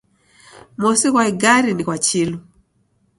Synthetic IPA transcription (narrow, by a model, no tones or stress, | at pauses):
mɔsikwaiɡaɾinikwat͡ʃilu